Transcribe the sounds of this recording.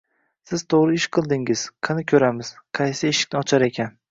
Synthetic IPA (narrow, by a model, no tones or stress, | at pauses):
sɪz̥t̪ʰoʁɾɪɪʃqʰɨlˠd̪ɪŋɪz̥qʰɨnɪkʲʰɵɾamɪz̥qʰɑjsɪeʃɪ̥k̚ʲnɪɒt͡ʃʰaɾe̞kʲʰan